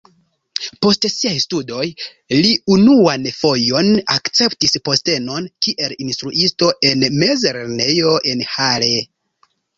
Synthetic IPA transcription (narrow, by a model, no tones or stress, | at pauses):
po̞stsiajstudo̞j | liunuanfo̞jo̞nakt͡se̞ptispo̞ste̞no̞nkiʔe̞linstɾuʔisto̞ʔenme̞zeɾeɾne̞jo̞ʔe̞nhale̞